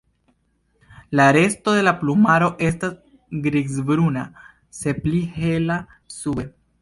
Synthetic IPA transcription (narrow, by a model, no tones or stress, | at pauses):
laɾe̞sto̞de̞laplumaɾo̞ʔe̞stas | ɡɾiɡzbɾuna̰ | se̞plihe̞la | sube̞